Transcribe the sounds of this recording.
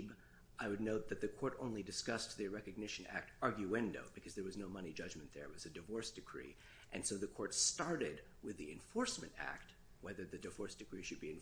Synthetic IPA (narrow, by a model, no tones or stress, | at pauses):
b | ʔaɪwɨdⁿnoʊt̪̚ðɨt̪̚ðɨkʰɔɹɾõʊ̃nlidɨskʌst̚ðɨɹɛkɨɡ̚nɪʃɨ̃næ̰k̚tɑɹɡjʉɛ̃ndo̰ʊb̥ɨkʰʌzðə˞wʌznoʊmʌnid͡ʒʌd͡ʒmɨ̃nðə̰˞ɨt̚wʌzɨdɨvɔɹsd̥ɨkʰɹ̥ḭ | ʔɨ̃nsoʊðɨkʰɔɹtstɑɹɾɪd | wɨðiɨ̰̃ɱfɔɹsmɨ̃ntæ̰k̚t̚ | wɛðə˞ðɨdɨvɔɹsd̥ɨkʰɹ̥iʃɨd̚biɨ̃n